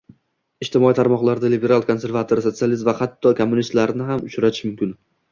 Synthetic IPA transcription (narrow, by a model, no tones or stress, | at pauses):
ɪʃt̪ɪmɒit̪ʰaɾmɒqlˠaɾd̪alibe̞ɾalˠkʰo̞nse̞ɾvat̪ʰoɾso̞t̪sializ̬mvahat̪ʰːɒkʰomːʊnist̪laɾnɪɦamʊt͡ʃɾat̪ʰɪʃmʊmkʲɪn